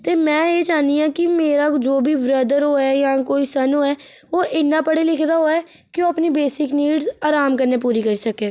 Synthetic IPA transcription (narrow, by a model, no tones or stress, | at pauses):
t̪eːmɛ̃ːeːd͡ʒaːnd̪iːãːkɪmeːɾaːd͡ʒoːbʱiːʋɾəd̪əɾoːɛːjãːkoːiːsənõːɛː | oːʔɪnːaːpəɽeːlɪkʰd̪aːɦoːɛː | kɪoːəpniːbeːsɪkniːɖzaːɾaːmkəɾneːp̬uːɾiːkəɾiːsəkeː